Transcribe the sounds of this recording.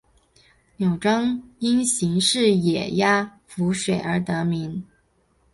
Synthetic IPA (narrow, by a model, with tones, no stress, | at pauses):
njo˨˩ʊʈ͡ʂɤ˥ŋi˥nɕi˧˥ŋʂɻ̩˥˩jɛ˨˩ja˥ | fu˧˥ʂwe˨˩ɪə˞˧˥t̪ɤ˧˥mi˧˥n